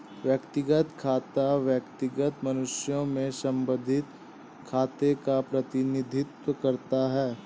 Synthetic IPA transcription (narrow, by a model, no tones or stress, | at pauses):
ʋjəkt̪ɪɡət̪kʰaːt̪aʋjəkt̪ɪɡət̪mɐnʊʃjõmẽsɐ̃mbə̃d̪ʱɪt̪ | kʰaːt̪ekapɾɐt̪ɪnɪd̪ʱɪt̪wəkɐɾt̪aɦɛː